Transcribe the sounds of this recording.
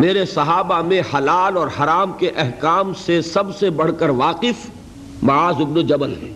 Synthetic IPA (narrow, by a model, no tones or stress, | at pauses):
meːɾesɐɦaːbamẽhɐlaːlɔːɾhɐɾaːmkeʔɛɦkaːmsesɐbsebɐɽ̤kəɾʋaːqɪf | mɐaːzɪbnod͡ʒɐbəlɦɛː